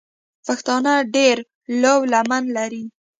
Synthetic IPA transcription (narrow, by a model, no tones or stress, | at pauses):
paxt̪ɑnaɖeɾ | lawlamanlaɾi